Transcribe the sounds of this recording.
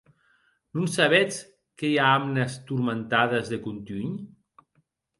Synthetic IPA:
nunsaβɛt͡s | kejaamnəst̪uɾment̪aðəzðekunt̪yɲ

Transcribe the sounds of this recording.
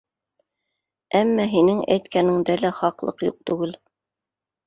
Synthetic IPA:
æmːæɦinɘŋæ̰jt̪kænɘŋd̪ælæχɑqlˠɤ̰qjṵq̚t̪ʉɡɘl

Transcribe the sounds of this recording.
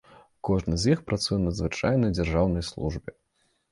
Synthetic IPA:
kɔʐnɨzʲjixpɾat̪sujɛnɐd̪zvɨt͡ʂajnɐjd͡zʲarʐawnɐjslˠṵʐbʲɛ

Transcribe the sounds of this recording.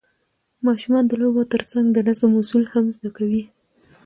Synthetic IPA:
mɑʃumɑnd̪əlojbat̪əɾt͡saŋɡd̪ənazamusulhamzd̪akawi

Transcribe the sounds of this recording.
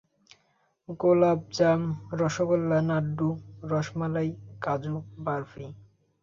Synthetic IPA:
ɡolab̚d͡ʑamɾɔʃokɔlːanaɖːuɾɔʃmalajkad͡ʑubaɾfi

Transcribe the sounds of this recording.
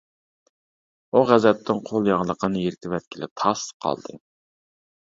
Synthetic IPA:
uʁæzɛt̪ʰːɪŋqʰolˠjɑʁlˠəqʰənɨjeɾɪt̪ʰɪvɛt̪̚kʲʰilɪ̰t̪ʰɑsqʰɑ̰lˠd̪ɨ̰

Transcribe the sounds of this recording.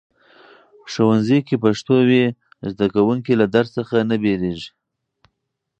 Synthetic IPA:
ʂowanzikepaʂt̪owe | zd̪akawuŋkilad̪aɾsəxanabeleʒi

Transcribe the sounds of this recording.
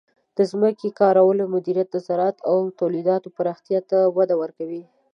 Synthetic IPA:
d̪̥əzməkekɑɾawəlomʊd̪iɾjat̪̚d̪əsaɾɑt̪awt̪awlid̪ɑt̪opəɾɑxt̪jɑt̪awad̪awəɾkawi

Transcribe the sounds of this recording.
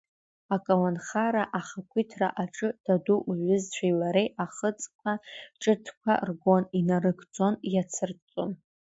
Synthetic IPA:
akʼalanχaɾaʔaχakʷʰitʰra̰ʔaʈ͡ʂʼɨd̥aduʔuʒʊzt͡ɕʷʰajlaɾejaχət͡sʼkʷʰaʈ͡ʂʼɨtʰkʷʰa̰rɡo̞ninarɨɡʰʼt͡sʼo̞njat͡sʰɨrt͡sʼon

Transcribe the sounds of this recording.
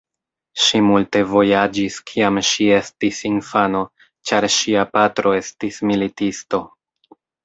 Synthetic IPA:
ʃimulte̞vo̞jad͡ʒiskʰiamʃie̞stisinfano̞ | t͡ʃaɾʃiapatɾo̞e̞stismilitisto̞

